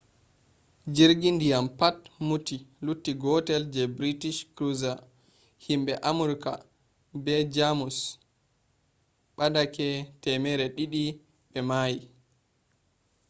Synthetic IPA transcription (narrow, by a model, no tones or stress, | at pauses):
d͡ʒiɾɡindijampatmutilutːiɡɔtɛld͡ʒɛbɾitiʃkɾuza | himbɛʔamuɾka̰ | bɛd͡ʒamus | ɓadakɛtɛmɛɾɛɗiɗi | ɓɛmaji